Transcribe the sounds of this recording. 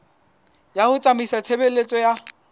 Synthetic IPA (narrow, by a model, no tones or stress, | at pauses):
jahʊt͡sʼamisat͡sʰebelet͡sʼɔja